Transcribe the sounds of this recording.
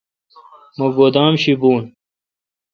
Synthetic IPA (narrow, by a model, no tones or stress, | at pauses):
mɐɡod̪aːmɕibuːn